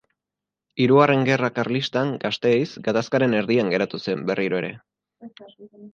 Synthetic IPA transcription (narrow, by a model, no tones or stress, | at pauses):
iɾuare̞ŋɡe̞rakaɾlist̪aŋɡast̪e̞jsɡat̪askaɾe̞ne̞ɾðiaŋɡe̞ɾat̪use̞mbe̞riɾoe̞ɾe̞